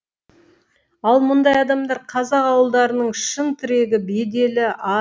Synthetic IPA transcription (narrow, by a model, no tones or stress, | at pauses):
ɑlˠmʊnd̪ɑjɑd̪ɑmd̪ɑɾqʰɑzɑqɑwəlˠd̪ɑɾənəɴʃəɴt̪ʰʏɾe̞ɡʲɪbe̞d̪e̞lɪɑ